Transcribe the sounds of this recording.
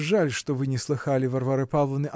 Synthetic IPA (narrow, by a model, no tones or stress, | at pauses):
ʐːalʲʂt̪ɔvɨnʲɛslˠɨxalʲivɐrvaɾɨpalˠɐnɨʔ